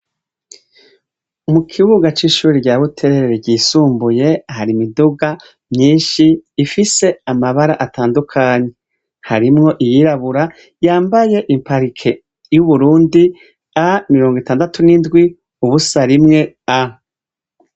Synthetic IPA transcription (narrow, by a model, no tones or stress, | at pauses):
mukʰiβuɡat͡ʃiʃuːɾiɟaːβutʰe̞ɾeɾeɾeɟiːsuːmbuje̞haɾimiduɡa | mɲiːnʃiːfise̞amaβaɾaʔatʰaːndukʰaɲe̞ | haɾimŋo̞ʔijiɾaβuɾa | jaːmbaje̞ʔimpaɾikʰe̞ | juβuɾuːndi | amiɾo̞ːŋɡitaːndatunindɡwi | uβusaɾimŋe̞ | a